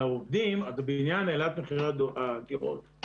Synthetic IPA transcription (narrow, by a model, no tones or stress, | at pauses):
aovd̪imat̪abeinjanelat̪meχiʁad̪aɡiʁo̰t